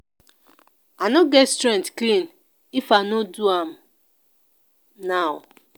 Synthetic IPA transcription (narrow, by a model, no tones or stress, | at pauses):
anɔɡɛtstɹɛ̃ntklĩn | ifanoduãm̩ | naʊ